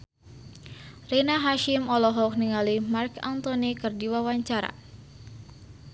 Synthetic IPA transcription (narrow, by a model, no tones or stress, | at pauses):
renaɦaʃimɔlɔɦɔk̚niŋalimarka̰nt̪ɔnikɨrdiwawaɲt͡ʃaɾa̰